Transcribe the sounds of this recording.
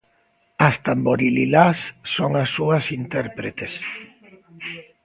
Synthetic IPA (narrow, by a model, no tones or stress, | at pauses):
ɐst̪amboɾililasːoŋasːuɐsint̪ɛɾpɾet̪es